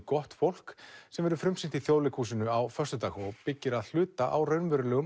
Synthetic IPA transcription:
kɔht̪fowl̥ksɛmvɛɾʏfɾʏmsɪnt̪iθjoːwlɪkʰuːsɪnʏawfœst̪ʏt̪aːxɔpɪcːɪɾaðl̥ʏːt̪aʔawrœɥnvɛɾʏlɛɣʏ

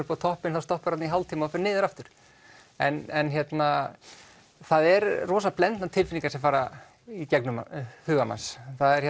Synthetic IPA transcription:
ʏɾpat̪ʰɔhpɪnθawst̪ɔhpʏɾat̪niɦawlt̪ʰiːmaɔfɛɾnɪːðɪɾaft̪ʏɾ̥ | ɛnɛnçjɛt̪na | θaðɛɾrɔːsaplɛnt̪nat̪ʰɪlfɪnĩŋkasɛɱfaːɾa | icɛknʏmhʏːɣama̰nsθaðɛɾ̥hɛ

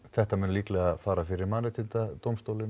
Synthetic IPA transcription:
θɛht̪amʏnliːklɛɣafaːɾafɪɾɪɾmanɛt̪ʰɪt̪at̪owmst̪owlɪn

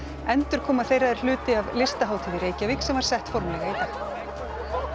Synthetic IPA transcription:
ɛnt̪ʏɾ̥kʰɔːmaðθejraɛɾ̥lʏːt̪ɪavlɪst̪aɦaːwt̪ʰiːðɪɾeːjcavɪksɛmvaɾ̥sɛht̪fɔɾmlɛɣaiθa

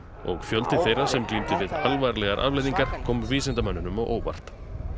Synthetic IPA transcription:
ɔɣfjœlt̪ɪθejrːḁsɛmt̪ynt̪ɪvɪðalvajɾalɛɣaɾʔa̰ðvlejðiŋkaɾ̥kʰɔːmviːsɛnt̪amanːʏnʏmawʔoːwva̰r̥t̪

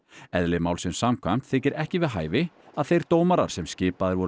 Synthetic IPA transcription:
ɛðlɪmaːwlsɪnsaːmkʰvajm̥t̪θɪcɪɾɛhcɪvɪðɦaːjvɪ | aðθejɾ̥t̪oːwmaɾa̰ɾ̥sɛmscɪːpaðɪɾvɔɾ

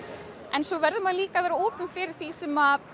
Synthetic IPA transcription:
ɛnsɔvɛɾðʏmaðliːkavɛːɾaoːpʏmfɪɾɪɾ̥θisɛːma

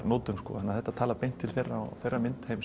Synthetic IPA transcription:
noːt̪ʏmskɔ̰ːanːaðθɛht̪at̪ʰaːlapejn̥t̪ʰːɪlθejrːaɔ̰θejrːamɪnt̪hejm

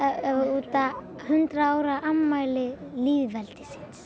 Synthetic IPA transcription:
uːt̪a | hʏnt̪ɾaaːwɾaʔamːaːjlɪliːðvɛlt̪ɪ̥si̥ns

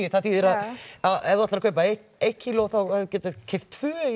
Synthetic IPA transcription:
ɪθaθiːðɪɾaðaɛvðat̪lɾakʰœːɥpae | ejt̪cʰilɔθawaðcɛːt̪ɪcʰːeft̪̚t̪ʰvœː

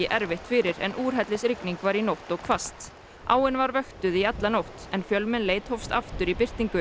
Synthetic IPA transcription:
ɪʔɛɾvɪht̪fɪɾɪɾɛ̰nʔuːɾ̥ɦɛt̪lɪsɾɪkniŋkvaɾinowht̪ɔɣkʰvast̪ | a̰ːwɪnvaɾvœxt̪ʏðiat̪lanowht̪ɛnfjœlmɪnleːjt̪howfst̪a̰ft̪ʏɾipɪr̥t̪iŋkʏ

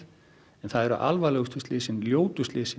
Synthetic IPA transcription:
ɛnθaðɛɾʏ̰ʔa̰lvalɛɣʏst̪ʏslɪːsɪnljoːwt̪ʏst̪lɪːsɪ

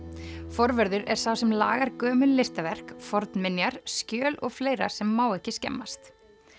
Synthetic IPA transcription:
fɔɾvɛɾðʏɾɛ̥sawsɛmla̰ːɣaɾkœːmʏnlɪst̪avɛr̥kfɔɾt̪nmɪnjaɾ̥scœːlɔ̰ɣfleːjɾa̰̥sɛmːaːwɛhcɪscɛ̰mːast̪

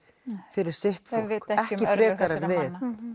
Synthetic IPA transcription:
fɪɾɪɾ̥sɪht̪fokɛhcɪfɾɛːkaɾaɾvɪθ

